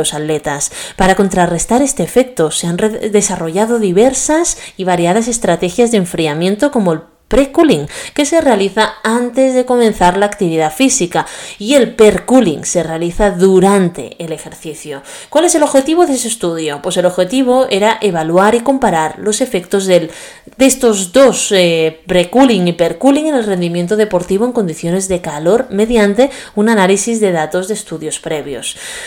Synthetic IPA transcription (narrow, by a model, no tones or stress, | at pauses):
osalle̞t̪aspaɾako̞nt̪ɾare̞st̪aɾe̞st̪e̞ːfe̞k̚t̪oseaneðe̞saro̞ʝaðo̞ðiβeɾsasiβ̞aɾjað̞as̬e̞st̪ɾat̪e̞xjazðeɱfɾiamjẽ̞nt̪o̞ko̞moel | pɾekuliŋke̞se̞re̞aliθaant̪e̞zðe̞ko̞mẽ̞nθaɾlaːkt̪iβ̞iðafisikaie̞lpeɾkulḭŋsere̞aliθaðuɾant̪e̞̰ele̞xe̞ɾθiθjo | kwale̞se̞lo̞βxe̞t̪iβo̞ðesest̪uðjopwe̞se̞lo̞βxe̞t̪iβ̞o̞eɾaʔe̞β̞alwaɾiko̞mpaɾaɾlo̞se̞fe̞kt̪ozðel | d̪est̪o̞zdo̞sepɾekuliŋipeɾkuliŋene̞lre̞nd̪imje̞nt̪oð̞e̞po̞ɾt̪iβ̞oeŋko̞nd̪iθjo̞ne̞zðe̞kalo̞ɾme̞ðjant̪e̞unanalisizðe̞ðat̪o̞zðeːst̪uðjo̞spɾe̞βjo̞̰s